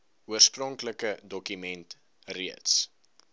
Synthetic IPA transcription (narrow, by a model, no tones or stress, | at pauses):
uərsprɔŋkləkədɔkymɛnt | riəts